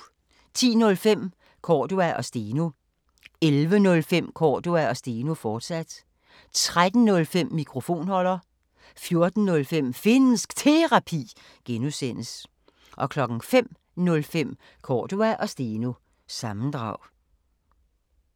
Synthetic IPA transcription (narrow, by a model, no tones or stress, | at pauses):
t͡sʰḭːnɔ̽lfem̰ | kʰɒːd̥uæʔɒ̽sd̥e̝ːno | elʋənɔ̽lfem̰kʰɒːd̥uæɒ̽sd̥e̝ːnofɒːd̥sæd̥ | t͡sʰʁad̥n̩nɔ̽lfem̰ːikʰʁo̝fo̝̰ːnhɒ̽l̰ɐ | fjo̝ɐd̥n̩ːɔ̽lfem̰fe̝n̩sɡ̥t͡sʰe̝ʁɑ̈pʰḭː | ɡ̥enusen̰əs | ʔɒ̽kʰlɒ̽ɡ̥n̩fem̰ | nɔ̽lfem̰ | kʰɒ̰ːd̥uæʔɒ̽sd̥e̝no | sɑ̈mn̩d̥ʁɑ̈ʊ̰